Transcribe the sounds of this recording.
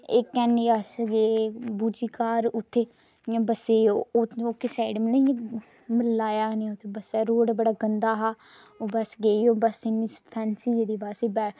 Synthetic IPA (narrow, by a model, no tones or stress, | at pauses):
eːkɛːneəsɡeːbuːd͡ʒiːkaːɾʊt̪ʰːeː | jãːbəseːookːesaːɪɖmneẽ | məlaːjaːneʊt̪ʰːeːbəsaːɾoːɽbəɽaːɡənd̪aːɦaː | oːbəsɡeioːbəsɪnːipʰɛːnsiːed̪iːbaːseːbɛː